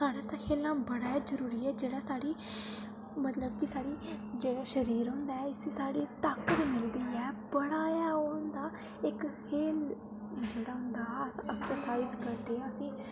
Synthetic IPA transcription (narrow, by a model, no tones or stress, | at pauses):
saːɽaːt̪aːkʰeːlãːbəɽaːad͡ʒəɾuːɾiːɛːd͡ʒeːɽaːsaːɽiː | mət̪ləbkɪsaːɽiːd͡ʒeːɽaːʃəɾiːɾɦʊ̃nd̪aːɛɪsesaːɽiːt̪aːkət̪mɪld̪iːɛːbəɽaːjaond̪aː | ɪkhʰeːl | d͡ʒeːɽaːɦʊ̃nd̪aːɛksəɾsaːizkəɾd̪eːɛəsĩː